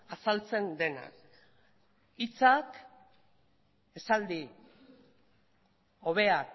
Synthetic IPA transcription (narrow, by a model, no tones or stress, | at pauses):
asalt͡se̞nd̪e̞na̰k | it͡sak | e̞sald̪i | o̞β̞e̞ak